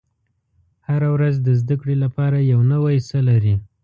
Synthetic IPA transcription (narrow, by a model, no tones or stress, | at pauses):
haɾawɾazd̪əzd̪akɽelapɑɾajawnəwajsəlaɾi